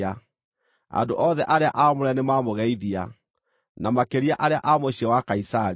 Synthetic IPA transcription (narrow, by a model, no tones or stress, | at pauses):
a | a̰ndoʔɔðɛʔaɾeaʔaɔmoɾɛnemamoɣɛiðia | namakeɾiaʔaɾeaʔamoɕiɛwakaisaɾ